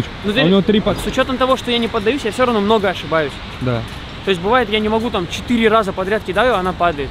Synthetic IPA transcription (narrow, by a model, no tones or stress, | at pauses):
nut̪onʲvot̪ɾʲisʊt͡ɕo̞t̪əmt̪ɐvo̞ʂt̪ojanʲɪpəd̪ːɐjusʲjafsʲoɾɐvnomno̞ɡəɐʂɨbajʉsʲ | d̪a | t̪oɪs̬ʲtʲbɨvajɪt̪janʲɪmɐɡut̪amt͡ɕɪ̥t̪ɨɾʲɪrazəpɐd̪ɾʲat̪kʲɪd̪ajʊɐnapad̪əjɪt̪